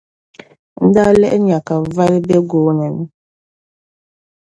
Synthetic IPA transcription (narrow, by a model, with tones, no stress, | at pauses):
n̩˦da˦lɛ̰˦ʔɛ˦ɲa˨ka˨va˦lbɛ˦ɡoː˦nɛ˨n˨